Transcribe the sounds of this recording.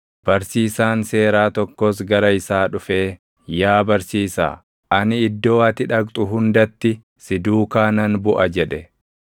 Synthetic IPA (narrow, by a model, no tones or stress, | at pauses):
b̥ɐɾsiːsaːnse̞ːɾaːt̪ɔkːɔs̬ɡɐɾɐɪsaːᶑʊfe̞ː | jaːbɐɾsiːsa̰ː | ʔɐnɪːd̪ːo̞ːɐt̪ɪᶑɐkʼt̪ʼʊɦʊnd̪ɐt̪ːɪ | sɪd̪uːkaːnɐnbʊʔɐd͡ʒɛᶑɛ